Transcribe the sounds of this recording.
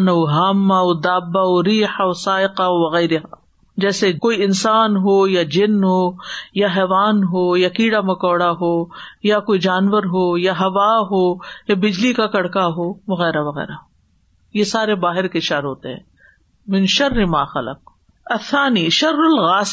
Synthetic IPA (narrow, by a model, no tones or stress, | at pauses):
nɐwɦaːmːaod̪aːbːaoɾiːħaosaːɪqaoʋɐɣɛːɾɪɦa̰ː | d͡ʒɛːsekoːiɪnsaːnɦoːjad͡ʒɪnɦoːjaɦɛːʋaːnɦoːjakiːɽamɐkɔːɽaɦoːjakoːid͡ʒaːnʋəɾɦoːjaɦɐʋaɦoːjabɪd͡ʒlikakɐɽkaɦoːʋɐɣɛːɾaʋɐɣɛ̰ːɾaɦo | jesaːɾebaːɦɪɾkeʃɐɾɦoːt̪ḛɦɛ̰̃ː | mɪ̃nʃɐrːɪmaːxɐ̰lə̰q̚ | ɐθːaːniːʃɐɾːʊlɣaːs